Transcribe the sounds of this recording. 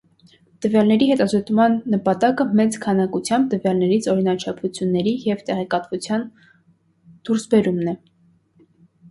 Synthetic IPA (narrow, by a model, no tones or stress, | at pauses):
t̪əvjɑlnɛɾiɦɛt̪ɑzɔt̪mɑnːəpɑt̪ɑkəmɛt͡skʰɑnɑkut͡sʰjɑmb̚t̪əvjɑlnɛɾit͡sʰɔɾinɑt͡ʃʰɑpvut͡sʰjunːɛɾijɛvt̪ɛʁɛkɑt̪vut͡sʰjɑn | d̪̥uɾsbɛɾumnɛ